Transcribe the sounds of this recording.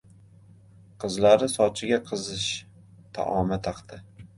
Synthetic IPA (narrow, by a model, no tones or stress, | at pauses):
qʰɨzlaɾɪsɒt͡ʃʰɪɡʲaqʰɨzɪʃ | t̪ʰa̰ʔɒmat̪ʰaqt̪ʰɪ